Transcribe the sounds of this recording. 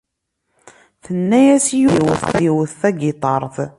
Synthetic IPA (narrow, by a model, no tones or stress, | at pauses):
θənːæjæsijuwəθθiwəθθæɡɪt̪ˤɑɾˤθ